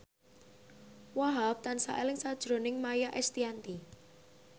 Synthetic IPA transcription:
waɦap̚t̪ansa̰ʔɛlɪŋsad̥ʒ̥ɾo̤nɪŋmajaʔɛst̪iant̪i

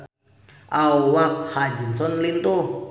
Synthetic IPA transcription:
awakhad͡ʒinsɔnlint̪o

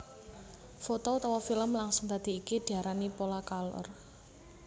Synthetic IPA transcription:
fot̪ɔut̪ɔwɔfiləmlaŋsʊŋt̪ad̪̥i̤ːkid̪̥i̤aɾanipolakalɔ̰r

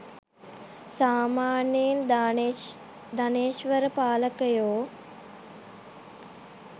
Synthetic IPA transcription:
saːmaːnen | d̪aneːʃʋəɾəpaːləkəjoː

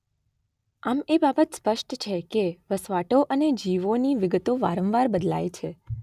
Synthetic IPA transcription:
amebabət̪spəʃʈt͡ʃʰekeʋəsʋaʈoʔəned͡ʒiʋoniʋɪɡət̪oʋa̰ɾə̃ʋʋaɾbəd̪la̰jt͡ʃʰe

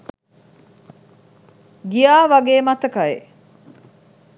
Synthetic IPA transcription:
ɡijaːʋɐɡeːmɐt̪ɐkɐḛ

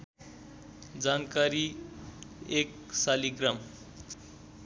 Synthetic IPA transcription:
d͡zankaɾi | ek | saliɡrʌm

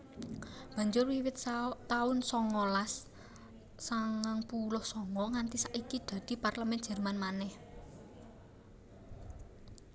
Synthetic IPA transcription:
b̥a̤ɲd͡ʒʊrwiwɪt̪̚t̪aʊnsɔŋɔlasː | aŋaŋpulʊhsɔŋɔŋant̪isaʔikid̪̥ä̤d̪̥i̤parləmɛnd̥ʒ̥ɛ̤rmanmanɛh

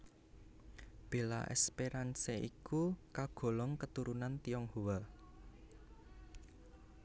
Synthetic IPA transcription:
b̥e̤la̰ʔɛ̰speɾanseʔikukaɡ̥ɔ̤lɔŋkət̪uɾunant̪ijɔŋhuwa

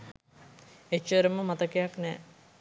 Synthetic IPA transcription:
et͡ʃːəɾəməmat̪əkejaknɛː

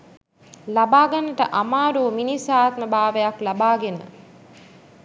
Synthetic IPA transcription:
labaːɡanəʈəʔamaːɾuːminisaːt̪məbaːʋəjaklabaːɡenə̰

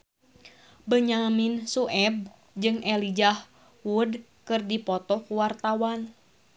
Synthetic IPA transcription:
bəɲaminsuʔɛb̚ | d͡ʒɨŋɛlid͡ʒah | wud | kɨrdipɔt̪ɔkuwart̪awan

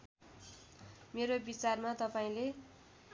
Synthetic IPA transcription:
meɾobit͡sarmat̪ʌpaĩle

